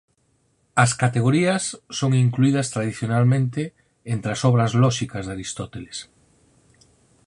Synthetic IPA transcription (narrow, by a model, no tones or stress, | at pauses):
ɐskat̪eɣoɾiɐsːoŋiŋkluið̞ɐst̪ɾað̞iθjonalmẽnt̪e | ent̪ɾɐsɔβ̞ɾɐzlɔʃikɐzðaɾist̪ɔt̪eles